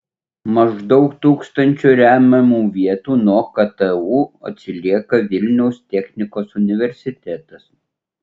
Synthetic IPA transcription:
mɐʒd̪ɒʊkt̪uːkst̪ɐnʲt͡ʃʲuːɾʲæːmʲɐmuːʋʲiɛt̪uːnɔːkɐt̪ɛuːɐ̰t̪ʲsʲɪlʲiɛkɐʋʲɪlʲnʲɛʊst̪ʲɛxʲnʲɪkoːsʊnʲɪʋʲɛɾʲsʲɪt̪ʲɛt̪ɐs

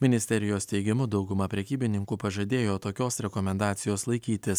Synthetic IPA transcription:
mʲɪnʲɪsʲt̪ʲɛɾʲɪjoːst̪ʲɛɪɡʲɪmʊd̪ɒʊɡʊmɐpʲɾʲɛkʲiːbʲɪnʲɪŋkupɐʒɐd̪ʲeːjoːt̪oːkʲoːsɾʲɛkɔmʲɛnd̪ɑːt̪sʲɪjoːslˠɐɪkʲiːt̪ʲɪs

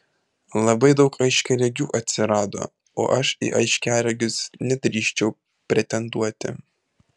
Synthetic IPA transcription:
lˠɐbɐɪd̪ɒʊkɐɪʃʲkʲɛlʲɛɡʲuːʔɐt̪ʲsʲɪɾɑːd̪o̰ː | o̰ːʔɐʃḭʔɐɪʃʲkʲæːlʲɛɡʲɪsnʲɛd̪ʲɾʲiːʃʲt͡ʃʲɛʊ | pʲɾʲɛt̪ʲɛnd̪uɔt̪ʲɪ̰

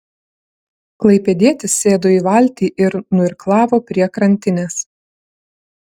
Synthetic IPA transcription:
klˠɐɪpʲɛd̪ʲiɛt̪ʲɪsːʲeːd̪oːiːʋɐˑlʲt̪ʲiːʔɪɾnʊɪɾklˠɑːʋoːpʲɾʲiɛkɾɐnʲt̪ʲɪnʲeːs

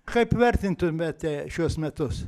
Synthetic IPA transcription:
kɐɪpʋʲɛrʲt̪ʲɪnt̪ʊmʲɛt̪ʲɛʃʲuɔsmʲɛt̪ʊs

